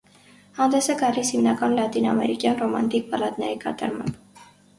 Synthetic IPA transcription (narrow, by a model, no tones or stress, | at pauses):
hɑnd̪ɛsɛɡɑlishimnɑkɑnlɑt̪inɑmɛɾikjɑnrɔmɑ̰nt̪ik̚bɑlɑt̪nɛɾikɑ̰t̪ɑ̰ɾmɑ̰mb